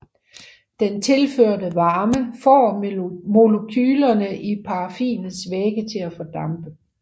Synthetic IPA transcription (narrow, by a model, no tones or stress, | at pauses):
d̥ent͡sʰe̝lføɐ̰dəʋɑ̈ːməfɒ̰ːmo̝lokʰyːlɐnəʔipʰɑ̈ɑfḭːn̩sʋeːɡ̥ət͡sʰe̝læfɒ̽d̥ɑ̈mb̥ə